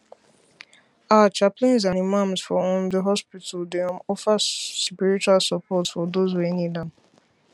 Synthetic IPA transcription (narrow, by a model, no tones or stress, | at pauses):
at͡ʃapliɔ̃nz̬ãnimãmzfɔɔ̃mdəɦɔspitaldemɔfaspiɾit͡ʃualsapʰɔtfɔdozwenidãm̩